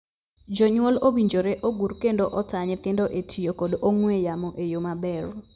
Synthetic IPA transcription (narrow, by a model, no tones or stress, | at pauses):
d͡ʒɔɲwolobiɲd͡ʒoɾɛʔoɡurkendoʔɔtaɲɛt̪ɪndoʔetʰijokodʔoŋwejamɔʔejomabɛr